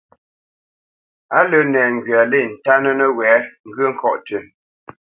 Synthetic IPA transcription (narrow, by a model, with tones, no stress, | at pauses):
a˦lə˨nɛ˨ŋ̩˨ɡɥa˨le˦˨n̩˨ta˦nə˦nə˦wɛː˨˦ŋ˦ɡɥə˦ŋ̩˨kʰɔ˦ʔtə˨